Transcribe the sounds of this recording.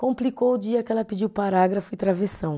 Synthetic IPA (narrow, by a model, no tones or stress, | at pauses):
kõplikowʊd͡ʒiɐkɪɛlɐpid͡ʒiwpaɾaɡɾɐfʊɪt̪ɾavesɐ̃w̃